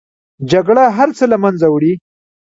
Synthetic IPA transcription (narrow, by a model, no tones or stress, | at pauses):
d͡ʒaɡɽaɦaɾt͡səlamanzawɽi